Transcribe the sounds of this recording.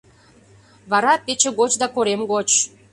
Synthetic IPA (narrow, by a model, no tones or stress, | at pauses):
βɑɾɑpet͡ɕĕɣot͡ɕd̪ɑkoɾemɣot͡ɕ